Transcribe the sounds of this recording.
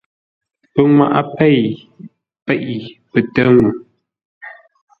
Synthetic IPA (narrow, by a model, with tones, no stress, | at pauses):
pə˦ŋwa̰˦ʔa̰˦pɛ˦˨j | pɛ˦˨ʔi˨pə˨tə˦ŋu˨